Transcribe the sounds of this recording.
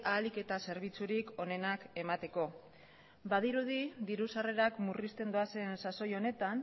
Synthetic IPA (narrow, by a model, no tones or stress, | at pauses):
aːlike̞t̪ase̞ɾβ̞it͡suɾiko̞ne̞nake̞mat̪e̞ko̞ | bað̞iɾuð̞iðiɾusare̞ɾakmurist̪e̞nd̪oase̞nsaso̞jo̞ne̞t̪an